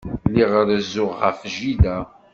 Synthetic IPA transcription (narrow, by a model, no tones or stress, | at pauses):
liʁəɾəzʊʁʁəfʒiðæ